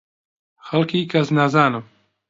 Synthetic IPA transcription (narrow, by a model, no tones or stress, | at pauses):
xalkiːkaznazaːnɔ